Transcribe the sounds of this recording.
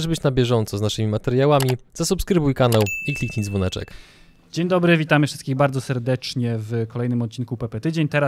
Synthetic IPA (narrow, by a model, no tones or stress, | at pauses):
ʐbɘt͡ɕnabʲjɛʐɔnt̪sɔznaʂɘmʲimat̪ɛɾjawamʲizasupskɾɘbujkanawiklʲikt̪ʲiɲʲzvɔnɛt͡ʂɛ̰k | d͡ʑeɲd̪ɔbɾɘvʲit̪amɘfʂɘst̪kʲiɣbaɾd̪ɔsɛɾd̪ɛt͡ʂɲɛvkɔlɛjnɘmɔt̪̚t͡ɕinkupɛpɛt̪ɘd͡ʑeɲt̪ɛɾa